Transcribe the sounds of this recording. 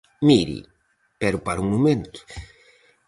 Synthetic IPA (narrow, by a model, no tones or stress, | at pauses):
miɾḭ | pɛɾʊpaɾuŋmumẽnt̪ʊ̥